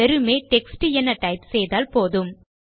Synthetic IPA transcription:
ɛɾɯmeːʈɛksʈɨɛnːɐʈɐɪpsɛjðaːlpoːðɯm

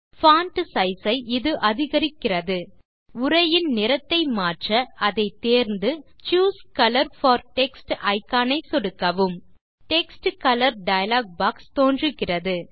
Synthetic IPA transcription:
faːnʈɐsɐɪsɐɪʔɪðɯʔɐðɪɣɐɾɪkːɪrɐðɯ | ʊrɐjɪnnɪɾɐt̪ːɐɪmaːʈrɐɐðɐɪt̪eːɾnd̪ɯt͡ʃuːskɐlɐɾfɐːɾʈɛksʈɐɪkːaːnɐɪsɔɽɯkːɐʋɯm | ʈɛksʈkɐlɐɾɖɐjɐlaːɡ̚baːkst̪oːndrɯɣɪrɐðɯ

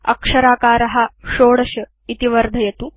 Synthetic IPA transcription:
ɐ̰kʂɐɾaːkaːɾɐɦɐʂoːɽɐɕɐ | it̪iʋɐɾd̪ʱɐjɐt̪u

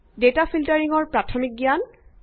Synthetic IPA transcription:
detafʰiltaɹiŋɔɹpɹatʰɔmik̚ɡijan

